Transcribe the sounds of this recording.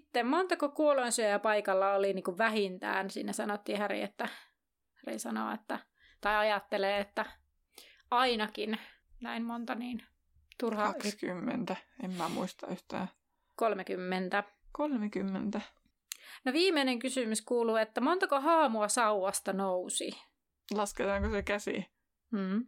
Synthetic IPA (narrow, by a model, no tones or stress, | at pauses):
t̪ːemmont̪ɑkokuolonsyøjɑpɑikɑlːɑoliniːŋkuʋʋæhint̪æ̰ːnsḭːnæsɑnot̪ːiːhærḭet̪ːæ | hærḭsɑno̰ḛt̪ːæ | t̪ɑiɑjɑt̪ːeleːet̪ːæ | ɑinɑkin | næimmont̪ɑniːn | t̪urhɑskymːḛnt̪æemmæmuist̪ɑyht̪æ̰ː | kolmekymːent̪ækolmekymːent̪æ | noʋiːmeineŋkysymyskuːluet̪ːæmont̪ɑkohɑːmuɑsɑuwɑst̪ɑnousḭ | lɑsket̪ɑːŋkosekæsḭ | m̩ː